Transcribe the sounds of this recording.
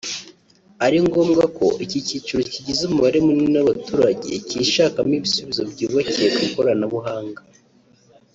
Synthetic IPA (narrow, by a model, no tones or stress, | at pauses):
aɾiŋɡo̞ːmɡako̞̰ʔicicit͡ʃuɾociɟizumuβaɾe̞mumenaβatuːɾaɟe̞̰ciʃaːkamiβisuβizobɟiːβaciekako̞ɾanaβuɦaːŋɡa